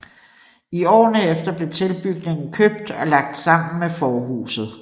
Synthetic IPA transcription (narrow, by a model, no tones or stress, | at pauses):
iɒ̰ːnəefd̥ɐb̥le̝t͡sʰe̝lb̥yɡ̥ne̝ŋn̩kʰøb̥̚d̥ɒ̽lɑ̈ɡ̥̚d̥sɑ̈m̰n̩mefɒːɦṵːsð̩ˠ